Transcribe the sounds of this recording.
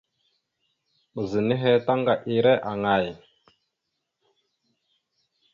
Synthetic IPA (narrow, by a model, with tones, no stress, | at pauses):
mə˨zə˨ni˦ɦe˦ta˦ŋɡa˨ʔi˨ɾe˦ʔa˨ŋa˨j